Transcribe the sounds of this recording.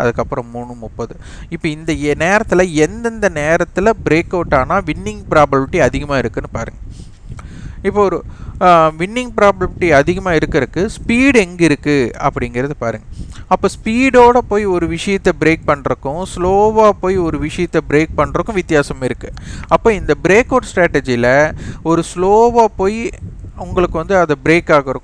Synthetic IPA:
ʔɐðɯkːɐpːɯɾɐ̃mmuːɳɯmʊpːoːðɯ | ɪpːoːɪnd̪ɐneːɾɐt̪ːɪlɐɛnd̪ɐnd̪ɐneːɾɐt̪ːɪlɐbɪɾeːkːɐʋʈːaːnaːʋɪɳːɪŋɡpɪɾaːbɐlpɪʈːiɐðɪɣɐmaːɪɾɯkːɯnːɯpaːɾɯ̰ŋɡɐ | ɪpːoɔɾɯ | ʋɪɳːɪŋɡ̚pɪɾaːbɐlpʈːiɐðɪɣɐmaːɪɾɯkːɪɾɯkːɯspiːɽɛŋɡɪɾɯkːɯɐpːɐɽɪŋɡɪɾɐðɯpaːɾɯŋɡɐɐpːoːspiːɽoːɽɐpoːjiɔɾɯʋɪʂɐjɐt̪ːɛbɾeːk̚pɐɳːɾɯkːʊ̃sloːʋaːpoːjiɔɾɯʋɪʂɐjɐt̪ːɛbɪɾeːk̚pɐɳːɾɯkːʊ̃ʋɪt̪ːɪjaːsɐmɪɾɯkːɯɐpːoːɪnd̪ɐbɪɾeːkːɐːʈsʈɾaːʈːɛd͡ʒilɐɔɾɯsloːʋaːpoːjiʊŋɡɐɭɯkːɯʋɐnd̪ɯɐðɐbɪɾeːkːaːɣɐɾɯkːʊ̃

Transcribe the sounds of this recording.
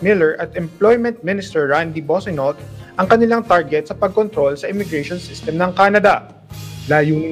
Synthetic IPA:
mɪlɛɹʔɐt̪ɛmplojmɛnt̪̚mɪnɪst̪ɛɹːand̪ibosɔnot̪̚ʔɐŋkɐnɪlaŋt̪aɹɡɛt̪̚sɐpɐɡ̚kont̪ɾo̞lsɐʔɪmɪɡɾɛjʃonsɪst̪ɛmnɐŋkaːnɐd̪ɐ | laːjuːnɪ

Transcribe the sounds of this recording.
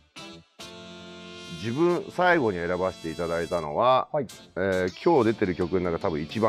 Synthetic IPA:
d͡ʑibɯ̟̃ɰ̃saiɡo̞ɲ̟ie̞ɾabaɕi̥t̪e̞it̪ad̪ait̪ano̞̰βa | eːkʲʰo̞ːd̪e̞t̪e̞ɾɯ̟kʲo̞kɯ̟noakat̪abɯ̟̃it͡ɕibã

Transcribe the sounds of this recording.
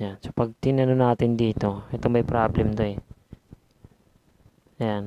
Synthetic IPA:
ansopɐɡ̚t̪ɪnɐnonaːt̪ɪnd̪iːt̪o̞ɛt̪omɐjpɾablɛmt̪oɛ | jan

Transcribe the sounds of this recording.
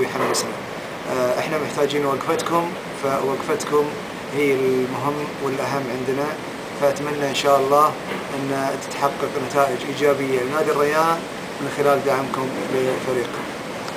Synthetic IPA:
jħarːɪsna | ʔɪħnamɪħt̪aːd͡ʒiːnwaɡfat̪kʊm | fawaɡfat̪kʊm | hiːɪlmʊɦɪmːwɪlʔaɦamːʕɪnd̪na | faʔat̪manːaʔɪnʃaːʔɑlˤːɑː | ʔɪnːat̪ɪ̥t̪ħɑqːɑqnat̪aːʔɪd͡ʒʔiːd͡ʒaːbɪjːalɪnaːd̪ɪrːɪjaːʔa | mɪnxɪlaːld̪aʕɪmkʊmbɪfaɾiːqʊm

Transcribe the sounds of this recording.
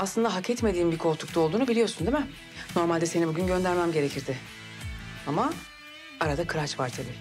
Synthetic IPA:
aslˠɯnd̪aɦakʰɛt̪me̞d̪iːmbikʰo̞ɾt̪ʰu̥k̚t̪ao̞lˠd̪uːnubilʲijo̞ɾsund̪emɪ | no̞ɾmalʲd̪ɛse̞nibuɟʲynɟø̞nd̪æɾmæmɟe̞ɾe̞cʰiɾd̪ɪ | ama | aɾad̪akʰɯɾat͡ʃvaɾt͡ʃ̪ʰelʲɪ

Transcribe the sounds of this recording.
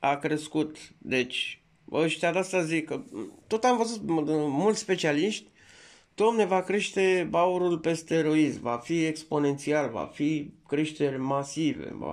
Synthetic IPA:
akɾe̞skut̪d̪e̞t͡ʃʲ | əʃt̪ead̪east̪azikət̪o̞t̪amvəzut̪mult̪sʲspe̞t͡ʃialiʃt̪ʲ | d̪̥oamnevakɾe̞ʃt̪e̞bauɾulpe̞st̪eːɾo̞izmvafie̞kspo̞ne̞nt̪sialva̰fikɾe̞ʃt̪e̞rʲmasivḛva̰

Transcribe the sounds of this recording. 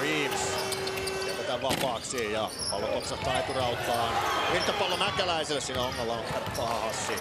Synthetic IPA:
ʋiːʋisːɑkeʋet̪æʋʋɑpɑːksiːjɑ | pɑlːokoksɑt̪ɑik̪urɑut̪ˑɑːʋirt̪ːɑpɑlːonækælæiselːessiːnæhoŋːɑlːɑːŋkerpːɑhɑhɑsːi

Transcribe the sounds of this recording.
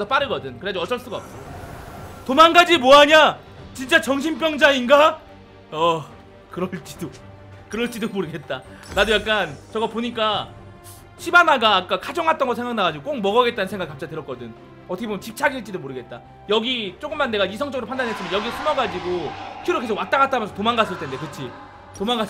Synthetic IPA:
esʰʌp͈aɾɯɡʌdɯnkɯɾead͡ʑoʌt͡ɕ͈ʌɭs͈uɡaʌp̚t͈a | tomanɡad͡ʑimoaɲa | t͡ɕint͡ɕ͈at͡ɕʌŋɕʰimp̬͈jʌŋd͡ʑainɡa | ʌ | kɯɾʌɭt͡ɕ͈i̥do | kɯɾʌɭt͡ɕ͈idomoɾɯɡe̞t̚t͈aɾadojak͈̚ant͡ɕʌɡapoɲik͈a | ɕʰibanaɡaːk͈akʰad͡ʑʌŋɦat͈ʌnɡʌsʰe̞ŋɡak̚naɡad͡ʑiɡok͈ok̚mʌɡʌɡe̞t̚t͈anɯnsʰeŋɡaɡikap̚t͡ɕatɯɾʌk͈ʌdɯn | ʌtʰʌkʰebomjʌt͡ɕip̚t͡ɕʰaɡiɭt͡ɕ͈idomoɾɯɡe̞t̚t͈a | jʌɡit͡ɕ͈oɡɯmːanːe̞ɡaisʰʌŋt͡ɕ͈ʌɡɯɾopʰandanɦe̞s͈imjʌnjʌɡisʰumʌɡad͡ʑiɡokʰiɾoke̞sʰowat͈aɡat͈amʌnsʰʌtomaŋɡas͈ɯɭtʰende̞kɯt͡ɕʰi | tomaŋɡas

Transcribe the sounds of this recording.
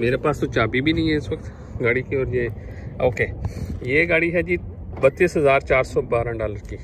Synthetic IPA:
meːɾepaːst̪õt͡ʃaːbibʱiːnəĩːɛɪsʋəkt̪ | ɡaːɽikiɔːɾjeː | oːkeːjeːɡaːɽiɦɛːd͡ʒiː | bət̪ːiːsɦəzaːɾt͡ʃaːɾsɔːbaːɾãːɖaːləɾkiː

